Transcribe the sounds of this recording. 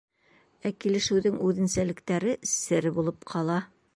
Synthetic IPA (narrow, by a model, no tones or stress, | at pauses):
ækilɘ̆ʃɘ̆wðɘŋʉðɘ̆nsælɘ̆kt̪æɾɘsɘɾbulˠɤpqʰɑlˠɑ